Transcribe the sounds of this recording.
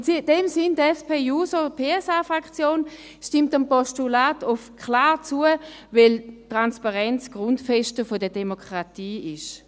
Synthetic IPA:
ʊsid̥ɛmsɪndɛspʰeːjuːsopʰeːɛsaːfʁakt͡sjoːn | ʃtɪmtampɔʃtulaːtʊfkʰlaːʁt͡suəvɛltʁanspaʁɛnt͡sɡ̥ʁʊntfɛʃtəfodədemokʰʁatiːɪʃ

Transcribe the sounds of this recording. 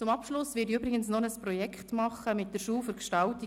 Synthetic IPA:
t͡sʊmɑpʃlʊsvɪdiybɾɪɡənsnɔnəsprɔjɛkχtmɑχəmɪttd̥əɾʃuːlfʏɾkʃtɑlti

